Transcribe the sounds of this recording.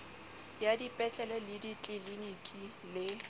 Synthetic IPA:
jadipʼɛt͡ɬʼɛlɔlɪditʼɪlinikʼi | lɪ

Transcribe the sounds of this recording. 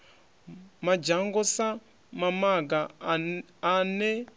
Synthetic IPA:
mad͡ʒaŋɡɔsa | mamaɡaː | nɛ

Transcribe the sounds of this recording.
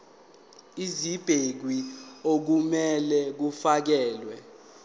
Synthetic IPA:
izib̥ʱek̬wiok̬umɛlɛk̬ufak̬ɛːlwɛ

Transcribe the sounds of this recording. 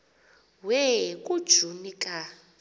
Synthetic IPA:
wɛkʼud̥ʒ̥ʱunikʼa

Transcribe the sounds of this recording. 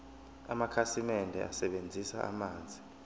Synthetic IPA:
a̰makʰasimɛndʱɛ̰asɛɓend͡zʱisa̰ʔa̰maːnd͡zʱi

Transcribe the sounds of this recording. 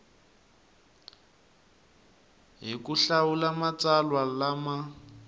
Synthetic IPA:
ɦikuɬawulamat͡salwalama

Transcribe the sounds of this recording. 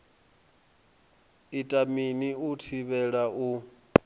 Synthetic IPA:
itʼaminiutʰiβɛɺaʔu

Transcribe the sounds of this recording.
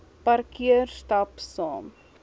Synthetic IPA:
pɐrkiərstɐpsɑːm

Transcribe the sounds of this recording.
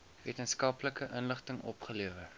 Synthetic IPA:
viətənskɐpləkəʔənləχtəŋʔɔ̰pχəliəvə

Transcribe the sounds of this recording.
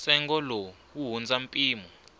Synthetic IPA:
sɛŋɡɔlɔ | wuɦund͡zampʼiːmɔ

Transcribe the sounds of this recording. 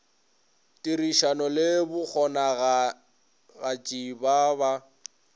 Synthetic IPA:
tʼiɾiʃanɔlɪbʊk͡xʰɔnaɣa | ɣat͡ʃʼibaβa

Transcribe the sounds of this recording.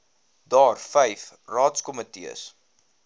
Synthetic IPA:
dɑːrfɛjf | rɑːtskɔmətḭə̰s

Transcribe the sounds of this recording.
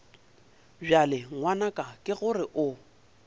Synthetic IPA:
ʒalɪŋwanakʼakʼɪɣʊrɪʔʊ

